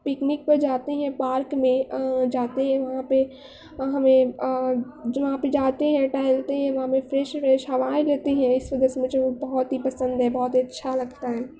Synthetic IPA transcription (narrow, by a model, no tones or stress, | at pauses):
pɪknɪk̚pɐɾd͡ʒaːt̪eɦɛ̃paːɾkmẽd͡ʒaːt̪eɦɛ̃ʋɐɦãpe | ɦɐmẽ | d͡ʒʋɐɦãped͡ʒaːt̪eɦɛ̃ʈaːɪlt̪eɦɛ̃ʋɐɦãpefɾɛːʃfɾɛːʃɦɐʋaːẽleːt̪eɦɛ̃ɪsʋɐd̪əsmɪ̃t͡ʃebɐɦɔt̪ɦipɐsə̃nd̪ɦɛbɔɦːɔt̪iɐtːʃʰalɐɡt̪aɦɛː